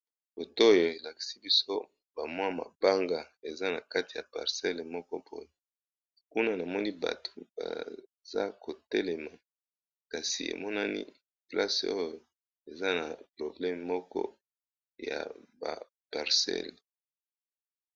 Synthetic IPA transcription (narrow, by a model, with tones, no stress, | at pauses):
bo˨to˦o˦jo˨e˨la˨ki̥˨si˦bi˦so˦ | ba˨mwa˦ma̰˨ba˦ŋɡa˨e˨za˦na˨ka˦ti˨ja˨pa̰˨ʁsɛ˦lmɔ˦kɔ˦po˦je˨ | ku˦na˦na˨mɔ˦ni˦ba̰˨tʰo̥˨b̥a̰˨za˦ko˨tɛ˦lɛ˨ma˨ | ka˨sḭ˨ḛ˨mɔ˦na˦nḭ˦ | pla˦so˦jo˨ | e˨za˦na˨pʁo˨blɛ˦m˨mɔ˦kɔ̰˦ | ja̰˨ba˨ | pa˨ʁsɛ̰˦l